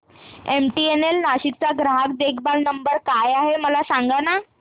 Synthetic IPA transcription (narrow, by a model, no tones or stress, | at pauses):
emʈienelnaɕik̚t͡saɡɾaɦak̚d̪ekʰbalnəmbəɾkajaɦeməlasaŋɡana